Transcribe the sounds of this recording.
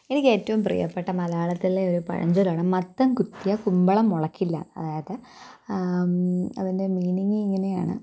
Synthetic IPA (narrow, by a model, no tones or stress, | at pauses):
enikːe̞ːtːɐʋumprḭjɐpːeʈːɐmɐlaːɭɐt̪ːileoɾupɐ̰ɻɐ̰ɲd͡ʑolaːɳɨmɐt̪ːɐmkut̪ːijɐkumbɐɭɐmoɭɐkːilːɐ̰ɐ̰ðaːjɐðɨ | ɐʋɐnde̞miːniŋːiŋːɐne̞ja̰ːɳɨ̰